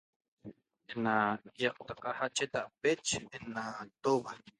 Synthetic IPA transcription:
enajɑʔt̪aqɑhat͡ʃet̪aʔpet͡ʃenat̪oβa

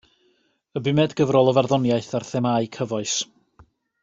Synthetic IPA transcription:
əbɪmɛdɡəvrɔlˠəvarðɔnjaɨθarθɛmaɨkʰəvɔɨs

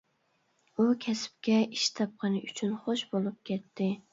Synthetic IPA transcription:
ukʲʰɛsp̚kʲɛiʃt̪ʰɑp̚qʰɑnɨʔyt͡ʃʰynχoʃbolˠɨp̚kʲʰɛt̪ʰːɪ

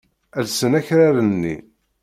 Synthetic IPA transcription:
ælsənæçɾaɾənːḭ

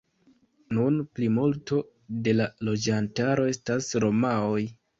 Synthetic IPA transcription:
nunplimulto̞ | de̞lalo̞d͡ʒantaɾo̞e̞stasɾo̞maoj

